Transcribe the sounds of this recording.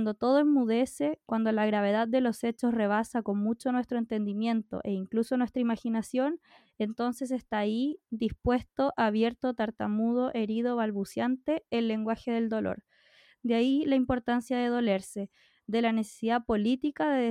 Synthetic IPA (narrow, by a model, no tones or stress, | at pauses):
nd̪o̞t̪o̞ð̞oemmːuð̞e̞se̞kwand̪o̞laɣɾaβ̞e̞ð̞að̚ːe̞lo̞se̞t͡ʃo̞sre̞β̞asako̞nmut͡ʃo̞nwe̞st̪ɾoe̞nt̪e̞nd̪imje̞nt̪o̞̰ʔe̞iŋkluso̞nwe̞st̪ɾaimaxinasjo̞n | ent̪o̞nse̞s̬est̪aːid̪ispwe̞st̪o̞ʔaβje̞ɾt̪ot̪aɾt̪amuð̞o̞ʔe̞ɾið̞oβalβusjant̪e̞ːlːe̞ŋɡwaxe̞ðe̞ld̪o̞lo̰ɾ | d̪eailaimpo̞ɾt̪ansjaðeð̞o̞le̞ɾse̞ | d̪e̞lane̞se̥siðapo̞lit̪ikaðe